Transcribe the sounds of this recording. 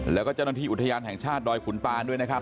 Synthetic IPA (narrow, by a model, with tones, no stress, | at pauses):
lɛː˦˥wkɔː˥˩t͡ɕa˥˩naː˧t̪iː˥˩u˨˩t̪ʰːa˧jaː˧nɦɛ˨˩ŋt͡ɕʰaː˥˩t̪̚dɔː˧jkʰu˩˦nt̪aː˧du˥˩əjna˥k̚ʰ